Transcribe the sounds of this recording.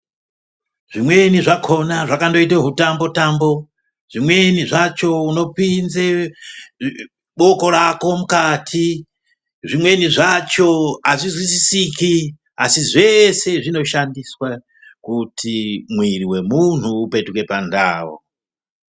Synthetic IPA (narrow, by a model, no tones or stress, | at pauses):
ʐ̥imwe̞niʐakʰo̞naʐakando̞iteɦutambo̞tambo̞ | ʐ̥imwe̞niʐat͡ʃo̞uno̞pinze | ɓo̞ko̞ɾako̞mukatʰi | ʐimwe̞niʐat͡ʃo̞aʐizwisisiki | asize̞se̞ʐino̞ʃandiswa | kutʰimwiriwe̞mun̤uːpe̞tuke̞panda̰ːwo̰